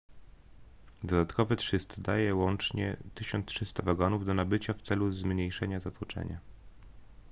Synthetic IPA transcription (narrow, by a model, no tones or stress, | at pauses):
d̪ɔd̪at̪kɔvɘt̪ʂɘst̪d̪ajɛwɔnt͡ʂɲɛ̰t̪ɘɕɔnt̪t̪ʂɘst̪avaɡɔnuvd̪ɔnabɘt͡ɕaft̪sɛluzmɲejʂɛɲazat̪wut͡ʂɛ̰ɲa̰